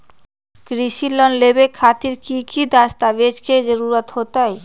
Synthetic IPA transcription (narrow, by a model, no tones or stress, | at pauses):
kɾiʃilːɔnlebekʰat̪iɾkikid̪aʃt̪abet͡ʃkʰed͡ʑeɾuɾat̪hot̪aj